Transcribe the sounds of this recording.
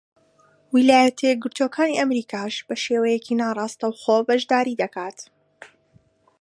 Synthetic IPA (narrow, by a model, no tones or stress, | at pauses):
wilaːjɐt̪ʰeɡɨɾt̪ʰoːkʰaːniʔɐmɾiːkʰaːʃb̥ɐʃeːwɐjɛcinaːrˤɑːst̪ɐwxoːbɐʒd̪aːɾiːd̪ɐkaːt̪